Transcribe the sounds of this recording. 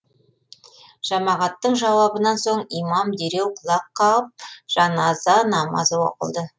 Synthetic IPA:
ʒ̥ɑmɑʁɑt̪ːəɴʒɑwɑbənɑnso̞ɴijmɑmd̪eɾewqʰʊlˠɑqːɑəp̚ʒ̥ɑnɑzɑnɑmɑ̰zəwo̰qə̰lˠd̪ə

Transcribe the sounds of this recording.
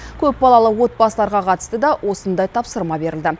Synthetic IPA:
kʲʰɵp̚bɑlˠɑlˠəwo̞t̪̚bɑsəlˠɑɾʁɑqʰɑt̪əst̪əd̪ɑwʔo̞sənd̪ɑjt̪ʰɑpsəɾmɑbe̞ɾɪld̪ɪ

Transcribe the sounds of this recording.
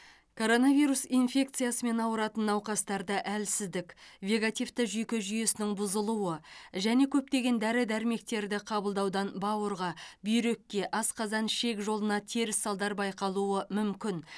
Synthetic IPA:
kʰo̞ɾo̞navijɾusinfʲe̞k̚t̪sɨjasəme̞nɑwəɾɑt̪ənːɑwqɑst̪ɑɾd̪əʔælsɪzd̪ɪkʲvʲe̞ɡat̪ift̪əʒʏjkʲɪʒʏje̞sɪnɪŋbʊzəlˠuwəʒæne̞kʲʰɵp̚t̪e̞ɡʲe̞nd̪æɾɪd̪æɾme̞k̚t̪e̞ɾd̪ɪqʰɑbəlˠd̪ɑwd̪ɑnbɑwəɾʁɑbʏjɾe̞kʲːe̞ʔɑsqɑzɑnʃe̞kʒo̞lˠənɑt̪ʰe̞ɾɪsːɑlˠd̪ɑɾbɑjqɑlˠuəmʏmkʲɪn

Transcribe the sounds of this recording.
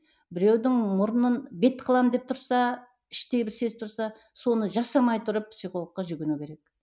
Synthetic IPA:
bɪɾe̞wd̪ɪŋmʊɾənənbe̞t̪qʰəlˠɑmd̪e̞p̚t̪ʰʊɾsɑ | ɪʃt̪e̞jbɪɾse̞z̚t̪ʰʊɾsɑ | so̞nəʒɑsɑmɑjt̪ʰʊɾəp̚psiχo̞lˠəqːɑʒʏɡʲenukʲe̞ɾe̞k̚

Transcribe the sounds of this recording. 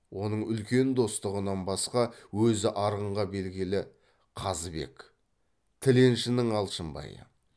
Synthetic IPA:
wo̞nəɴʏlkʲe̞nd̪o̞st̪əʁənɑnbɑsqɑwɵzɪʔɑɾəɴʁɑbe̞lɡʲɪlɪ | qʰɑzbe̞̰k | t̪ʰɪle̞nʃɪnɪŋɑlˠʃəmbɑ̰jə̰

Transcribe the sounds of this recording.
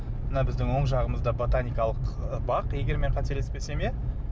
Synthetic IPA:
mənɑbɪzd̪ɪŋwo̞ɴʒɑʁəməzd̪ɑbo̞t̪anʲijkɑlˠəqbɑqje̞ɡʲe̞ɾme̞ɴqʰɑt̪e̞ɾlespese̞me

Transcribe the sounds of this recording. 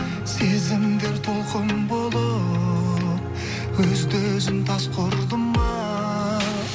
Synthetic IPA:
sezɪmd̪e̞ɾt̪ʰolˠqəmbolˠə | wɵzd̪øzɪmt̪ʰɑsqʰoɾd̪əmːɑ

